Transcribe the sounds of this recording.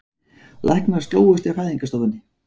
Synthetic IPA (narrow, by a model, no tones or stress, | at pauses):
lʔa̰hknḁst̪lo̰ːwʏst̪ɪraːjðiŋkast̪ɔwvʏnːɪ